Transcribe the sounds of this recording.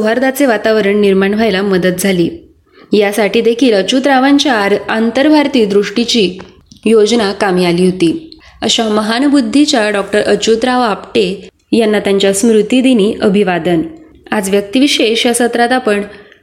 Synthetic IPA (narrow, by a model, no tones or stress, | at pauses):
suɦaɾd̪at͡seʋat̪aʋəɾəɳniɾmaɳʋʱajlaməd̪ət̪̚d͡zʱaliː | jasaʈiːd̪ekʰiːlət͡ɕut̪ɾaʋaɲt͡ɕjaɾant̪əɾbʱaɾt̪iːd̪ɾuʂʈit͡ɕiː | jod͡znakamiːaliːɦot̪iː | əɕaməɦanbud̪ʱːit͡ɕjaɖɔk̚ʈəɾʔət͡ɕut̪ɾaʋapʈe | janːat̪jaɲt͡ɕjasmɾut̪id̪iniːʔəbʱiʋad̪ən | ad͡zʋjək̚t̪iʋiɕeɕjasət̪ɾat̪apəɳ